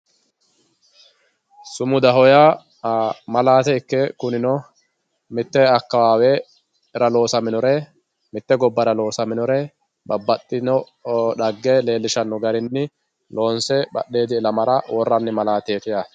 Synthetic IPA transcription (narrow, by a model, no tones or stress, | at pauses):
sʊmʊd̪ɐɦɔjaː | mɐlaːt̪ɛɪkːɛkʊnɪnɔ | mɪt̪ːɛɐkːɐwaːwɛ | ɛɾɐlo̞ːsɐmɪnɔɾɛ | mɪt̪ːɛɡɔbːɐɾɐlo̞ːsɐmɪnɔɾɛ | bɐbːɐt̪ʼːɪnɔ | ᶑɐɡːele̞ːlːɪʃɐnːɔɡɐɾɪnːɪ | lo̞ːnsɛɓɐ̰ɗːe̞ːd̪ɪːlɐmɐɾɐwɔrːɐnːɪmɐlaːt̪eːt̪ɪjaː